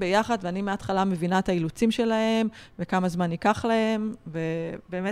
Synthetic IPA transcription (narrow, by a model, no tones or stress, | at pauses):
bejaχad̪veanimeat̪χalame̞vinaet̪ailut͡simʃe̞lahe̞mvekamazmanikaχlahe̞mve̞beːme